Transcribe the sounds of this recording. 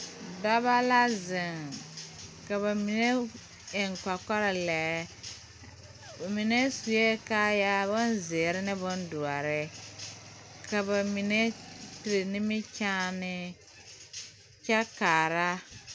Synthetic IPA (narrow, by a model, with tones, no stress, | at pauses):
da˦ba˦la˦zɪ˨ŋ | ka˨βa˨mi˨ne˦ | ɪ˨ŋka˨kɔ˦ɾɪ˨lɛ˨ | ba˨mɪ˨ne˦su˨je˦kaː˦ja˦bʊ˦nzɪ˨ɾɪ˦nɪ˦bʊ˦ndu˨a˨ɾɪ˦ | ka˨ba˨mi˨ne˦ti˨ɾɪ˨nɪ˦mɪ˦t͡ʃaː˦nɪ˦ | t͡ʃɛ˦kaː˨ɾa˦